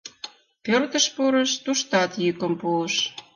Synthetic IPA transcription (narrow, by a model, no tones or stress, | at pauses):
kørt̪ə̆ʃpuɾə̆ʃt̪uʃt̪ɑt̪jykə̆mpuəʃ